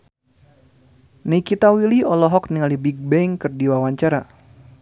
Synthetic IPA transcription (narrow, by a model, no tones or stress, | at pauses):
neikit̪awiliɔlɔɦɔkniŋalibiɡ̚bɛŋkɨrdiwawaɲt͡ʃaɾa